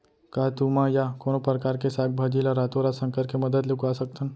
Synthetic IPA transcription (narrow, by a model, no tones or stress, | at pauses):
kaɦt̪umãjakonopɾəkaɾkesaɡ̚bʱad͡ʒilaɾat̪oɾasə̃ŋkəɾkeməd̪əd̪lekasəkt̪ʰən